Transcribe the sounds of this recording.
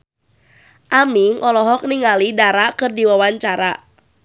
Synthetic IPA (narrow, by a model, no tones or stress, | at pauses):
ʔamiŋʔɔlɔɦɔk̚niŋalidaɾakɨrdiwawaɲt͡ʃaɾa